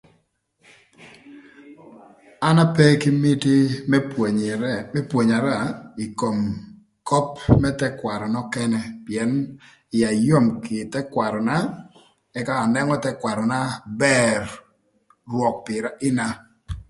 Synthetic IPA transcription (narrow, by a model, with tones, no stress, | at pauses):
a˦na˦pɛ˦kɪ˦mi˦ti˦ | ɛ˦pwo˨ɲa˨ɾa˦˨i˨ko˨m | kɔ˦pmɛ˦tɛ˦kwa˨ɾɔ˨nɔ˦kɛ˦nɛ˦pjɛ˨n | ɪ˨ja˨jo˦˨mkɪ˨tɛ˦kwa˨ɾɔ˨na˦ | ɛ˦ka˦ɔ˨nɛ˦ŋɔ˦tɛ˦kwa˨ɾɔ˨na˦bɛ˦r | rwɔ˨k̚pɪ˨ɾa˦ʔɪ˦na˦